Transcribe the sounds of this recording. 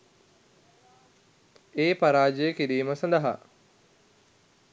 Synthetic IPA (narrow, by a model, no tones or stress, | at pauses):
eːpaɾaːd͡ʒəjəkiɾiːməsɐnd̪ɐɦa̰